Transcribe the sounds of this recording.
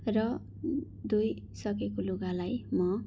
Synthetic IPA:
rʌ | d̪uj | sʌkekoloɡalajmʌ

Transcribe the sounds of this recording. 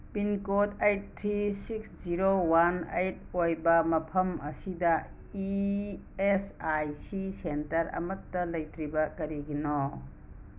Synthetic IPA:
pinkotejt̚tʰːɾisiksziɾowanejt̚ojbɐmɐpʰɐmɐ̰sidɐ | i | esajsisentɐɾɐ̰mɐtːɐlɐjtɾibɐkɐɾiɡinɔ

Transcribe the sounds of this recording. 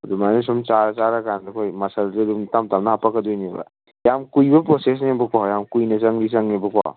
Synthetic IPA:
ɐdumanes̬ɔmt͡ʃaɾt͡ʃaɾakʰandɐkʰojmasalzedumtamtamnɐhapakːɐdujnibɐ̰ | jamkujbɐpɾɔses̬nebɐkwawjamkujnɐsaŋlis̬aŋebɐkwa̰w

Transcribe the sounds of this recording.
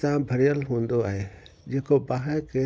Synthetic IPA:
t̪ambʱɐɾijəlɦũːnd̪oaːɦed͡ʒeːkobaːɦəke

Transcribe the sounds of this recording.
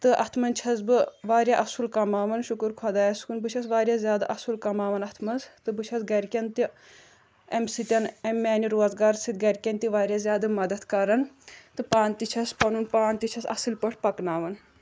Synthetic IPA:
t̪ɨʔɐt̪ʰmɐnʲt͡ʃʰɐsbɨʋaːɾʲjaʔɐsulkɐmaːʋɐnʃukɨɾkʰɐd̪aːjɐskunbɨt͡ʃʰɐsʋaːɾʲjazʲjaːd̪ɨʔɐsulkɐmaːʋɐnɐt̪ʰmɐnzt̪ɨbɨt͡ʃʰɐsɡɐɾʲkʲɐnt̪i | emsit̪ʲɐnemːaːniɾoːzɡaːɾsit̪̚ɡɐɾʲkʲɐnt̪iʋaːɾʲjaːzʲjaːd̪ɨmɐd̪ɐt̪kɐɾɐnt̪ɨpaːnt̪it͡ʃʰɐspɐnunpaːnt̪it͡ʃʰɐsɐ̰sɨlpɐʈʰpɐknaːʋɐn

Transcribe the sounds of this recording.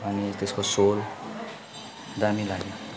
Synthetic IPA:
ʌnit̪eskosol | d̪amilaɡjo

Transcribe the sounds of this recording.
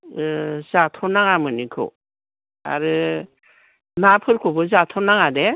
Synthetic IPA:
zatʰɔnaŋamɯnikʰɯ̰ | a̰ɾɯ | napʰɯɾkʰɔbɯzatʰɔnaŋade

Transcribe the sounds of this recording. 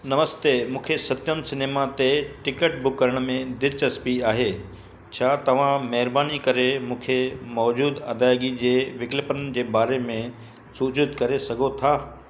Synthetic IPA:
nɐməst̪eːmũːkʰesɐt̪jəmsɪneːmat̪eʈɪkəʈ̚bʊkːəɾəɽ̃mẽd̪ɪɾt͡ɕɐspiaːɦeː | t͡ɕʰaːt̪ɐʋ̤ãmɐɦɪɾbaːnikɐɾemũːkʰemɔːd͡ʑuːd̪ɐd̪aːɪɡid͡ʑeːʋɪklɪpənd͡ʑeːbaːɾemẽ | suːd͡ʑʊd̪kɐɾesɐɡʱot̪ʰaː

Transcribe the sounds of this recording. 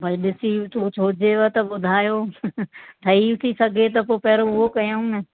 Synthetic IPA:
bʱɐiɗɪsiɪt̪ut͡ɕʰoːd͡ʑeʋɐt̪ɐɓʊd̪ʱaːjo | t̪ʰɐiɪt̪ʰisɐɡʱet̪ɐpoːpɐɦɾoʊɦokɐjaũnɪ

